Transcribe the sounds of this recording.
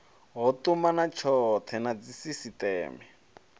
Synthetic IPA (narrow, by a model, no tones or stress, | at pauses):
ɦɔtumanat͡ʃʰɔt̪ʰɛnat͡sisisitɛ̰ːmɛ